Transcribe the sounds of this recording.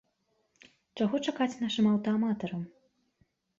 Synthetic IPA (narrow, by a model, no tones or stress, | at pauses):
t͡ʂaɣɔt͡ʂakat͡sʲnaʂɨmɐwt̪ɐamat̪ɐɾɐm